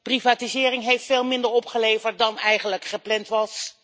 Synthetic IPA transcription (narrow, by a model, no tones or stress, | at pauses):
privaːtizɪːrɪŋɦejftfeːlˠmɪndəɹɔpχəlejvəɹt̚dɑnɛjχənləkχəplɛntʋɑs